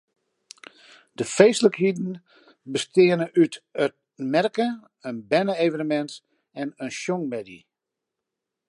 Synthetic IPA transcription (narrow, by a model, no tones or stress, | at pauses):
d̥əfeːsləkhidn̩ | bəstɪənəʔytət̚ | mɛrkə | ənbɛnəeːvənəmɛnt | ɛnənʃjɔŋmɛdḭ